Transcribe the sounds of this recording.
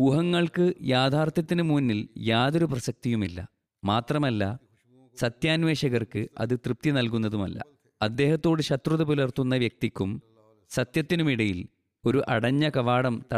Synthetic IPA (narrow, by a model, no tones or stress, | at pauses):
uːɦɐŋːɐɭkɨjaːd̪ʱaːrt̪jɐt̪ːinɨmuːnːiljaːðo̞ɾuprɐsɐk̚t̪ijumilːɐ̰ | maːt̪rɐmɐlːɐ | sɐt̪jaːnʋe̞ːɕɐɣɐrkɨɐ̰ðɨt̪rɨp̚t̪inɐlkunːɐðumɐ̰lːɐ̰ | ɐd̪ːe̞ːhɐt̪ːo̞ːɽɨɕɐt̪ruðɐpulɐrt̪ːunːɐʋjɐk̚t̪ikʲːum | sɐt̪jɐt̪ːinumiɽɐjil | o̞ɾuʔɐɽɐɲːɐkɐʋaːɽɐmt̪ɐ